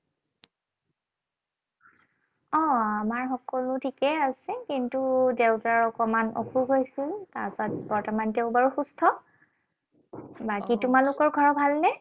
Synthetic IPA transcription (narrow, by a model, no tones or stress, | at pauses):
ɔamaɹxɔkɔlʊtʰikɛasɛkintudeʊtaɹɔkɔmanɔ̰kʰuɡʱɦojsiltasat̚bɔɹtɔmanteʊbaɹuxustʰɔ | bakitumalukɔɹɡʱɔɹɔbʱalnɛ